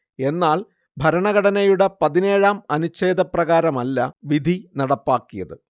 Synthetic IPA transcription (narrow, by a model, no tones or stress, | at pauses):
e̞nːaːl | bʱɐɾɐɳɐɣɐɽɐnɐjuɽepɐðine̞ːɻaːmɐnut͡ɕːe̞ːd̪ʱɐprɐɣaːɾɐmɐlːɐʋid̪ʱinɐɽɐpːaːkːijɐ̰ðɨ